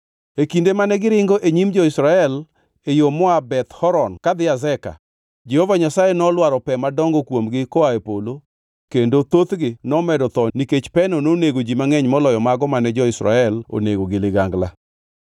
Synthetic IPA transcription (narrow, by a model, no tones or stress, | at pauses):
ekindemanɛɡɪɾɪŋɡoʔeɲimd͡ʒɔɪsɾaɛl | ejomɔabɛt̪hɔɾɔnkad̪ɪazɛka̰ | d͡ʒɛhovaɲasajenɔlwaɾɔpɛmadɔŋɡɔkwomɡɪkɔaepolo | kendot̪ot̪ɡɪnɔmɛdɔt̪ɔniket͡ʃpɛnɔnoneɡod͡ʒimaŋɛɲmɔlɔjɔmaɡɔmanɛd͡ʒɔɪsɾa̰ɛlo̰neɡoɡɪlɪɡaŋɡla